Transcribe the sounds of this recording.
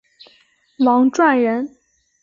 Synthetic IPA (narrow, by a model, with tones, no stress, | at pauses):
lɑ˧˥ŋʈ͡ʂwa˥˩nɻə˧˥n